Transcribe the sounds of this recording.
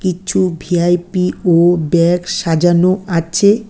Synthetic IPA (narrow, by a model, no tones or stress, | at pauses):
kit͡ɕʰubʱiajpiobɛkʃad͡ʑanoat͡ɕʰe